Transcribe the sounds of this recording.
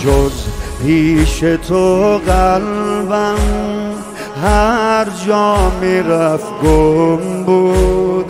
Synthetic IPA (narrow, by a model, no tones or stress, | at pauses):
d͡ʒozhiʃet̪ʰoɣalban | ɦaɾd͡ʒɔmiɾafɡombud̪